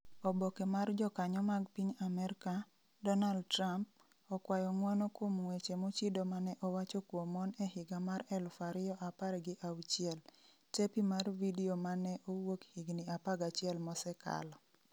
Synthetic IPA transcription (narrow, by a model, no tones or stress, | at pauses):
ɔbɔkɛmard͡ʒɔkaɲɔmaɡpiɲamɛɾka | dɔnald̚tramp̚ | ɔkwajɔŋwɔnɔkomŋwet͡ʃemot͡ʃidomanɛʔɔwat͡ʃɔkwomɔnɛhɪɡamaɾɛlfaɾɪɔʔapaɾɡɪʔawt͡ʃiɛl | tepimarvidiomanɛʔowokhiɡnɪapaɡat͡ʃɪɛlmɔsɛka̰lɔ